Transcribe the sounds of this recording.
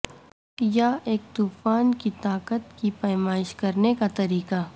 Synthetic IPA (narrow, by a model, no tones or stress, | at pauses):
jaeːk̚t̪uːfaːnkit̪aːkət̪kipɐɪmaːɪʃkɐɾnekat̪ɐɾiːka